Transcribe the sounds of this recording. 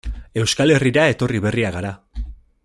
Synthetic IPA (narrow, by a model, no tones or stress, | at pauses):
e̞wskale̞riɾae̞t̪o̞riβ̞e̞riaɣaɾa